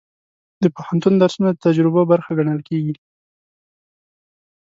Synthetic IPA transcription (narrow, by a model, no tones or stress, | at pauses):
d̪əpohant̪und̪aɾsnad̪ət̪ad͡ʒɾɪbabaɾxaɡaɳəlkeɡi